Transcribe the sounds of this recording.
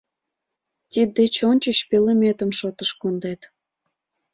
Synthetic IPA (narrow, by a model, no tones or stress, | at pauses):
t̪id̪et͡ɕonʲt͡ɕəɕpelemet̪əmʃot̪əʃkond̪et̪